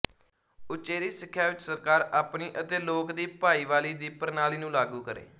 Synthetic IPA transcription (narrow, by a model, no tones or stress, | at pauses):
ʊt͡ʃeːɾiːsɪkʰːjaːʋɪt͡ʃsəɾkaːɾaːpniːʔət̪eːloːkd̪iːpaːiːʋaːliːd̪iːpəɾnaːliːnũːlaːɡuːkəɾḛː